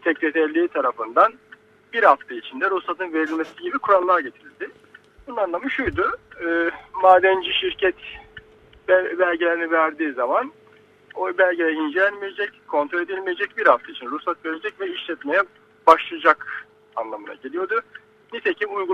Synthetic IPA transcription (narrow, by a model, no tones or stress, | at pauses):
t̪ʰɛclʲet̪ʰɛɾlʲiːt̪ʰaɾafɯnd̪an | biɾhaft̪ʰɯit͡ʃʰind̪ɛɾusat̪ɯnve̞ɾilʲmesiɟibikʰuɾalˠːaɾɟe̞t̪ʰiɾlʲd̪ɪ | bununanlˠamɯʃujd̪ʊɯːmaːd̪ɛnd͡ʒiʃiɾcʰɛt̪ | bbælʲɟelʲeɾinivæɾd̪iːzaman | obælʲɟejɛind͡ʒelʲænmijed͡ʒɛckʰːo̞nt̪ɾoe̞d̪ilʲmije̞d͡ʒɛc̚biɾhaft̪ʰɯit͡ʃʰinɾusat̪ve̞ɾed͡ʒɛcvɛiʃlʲɛt̪me̞jɛ | b̥aʃlˠɯjad͡ʒak | a̰nlˠamɯna̰ɟelʲijo̞d̪ʊ | nit̪ʰe̞cʰimujɡu